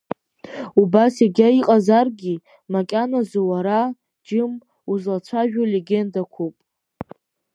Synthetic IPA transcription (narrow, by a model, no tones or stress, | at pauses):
ubaseɡʲaiqʼazarɡʲi | makʲʼanazuwaɾa | d͡ʒɪm | uzlat͡ʃʷʰaʒᶣoleɡʲe̞ndakʷʰupʼ